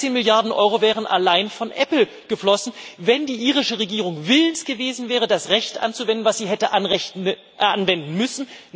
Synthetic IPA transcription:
eːnmɪljaɐdn̩ʔɔ̰ʏʁovɛːʁ̞ənʔa̰laɪnfɔnʔɛpl̩ | ɡ̥əflɔsn̩vɛndiːʔiːʁɪʃəʁeɡiːʁ̞ʊŋvɪləntɡ̥əveːzn̩vɛːʁədasʁɛçtʔa̰nt͡suvɛndn̩vasz̥iːɦɛtəʔanɛ | anvɛndn̩mʏsn̩

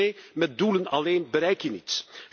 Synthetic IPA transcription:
eːmɛt̚dulənɑleːnbəɾɛjkjənit

